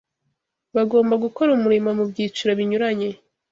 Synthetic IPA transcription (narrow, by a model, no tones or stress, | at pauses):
βaɡo̞ːmbaɡuko̞ɾumuɾimamubɟiːt͡ʃuɾaβiɲuɾaɲe̞